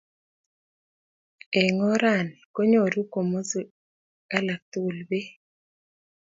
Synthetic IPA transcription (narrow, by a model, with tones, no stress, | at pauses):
ɛ˨ŋɔ˦ɾa˦˨nko˦ɲo˨ɾu˦ko˨mo˦zu˨ | ka˦la˨k̚t̪u˦˨lbe˦